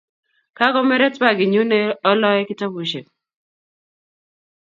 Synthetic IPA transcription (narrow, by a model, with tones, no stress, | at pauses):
ka˦kɔ˦mɛ˦ɾɛ˦twa˦ɡɪ˨ɲu˦ne˦ɔ˦lɔ˦ɛ˦kɪ˦ta˦bu˨ʃe˨k̚